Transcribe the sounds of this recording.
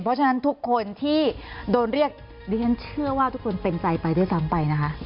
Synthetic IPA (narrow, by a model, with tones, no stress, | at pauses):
pʰɔ˦˥t͡ɕʰa˧na˦˥nt̪ʰu˦˥kʰːo˧nt̪ʰiː˥˩doː˧nɾi˥˩ək̚ | diː˧˩t͡ɕʰa˦˥nt͡ɕʰɯ˥˩ɐwaː˥˩t̪ʰu˦˥kʰːo˧npe˧nt͡ɕa˧jpa˧jduː˥˩jsa˦˥mpa˧jna˦˥kʰa˦˥ʔ